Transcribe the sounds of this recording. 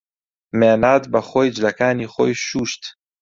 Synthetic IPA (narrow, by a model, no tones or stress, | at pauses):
menaːt̪baχojd͡ʒlɐkaːniχojʃuːʃt̪